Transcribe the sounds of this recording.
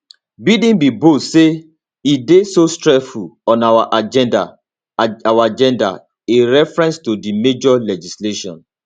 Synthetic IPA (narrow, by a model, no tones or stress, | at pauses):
bidĩnbibotse | idesostɹɛsfulɔ̃nawaʔad͡ʒɛ̃nda̰ | awad͡ʒɛ̃nda̰ | eɹɛfɹɛ̃nstodimed͡ʒɔlɛd͡ʒisleʃɔ̰̃n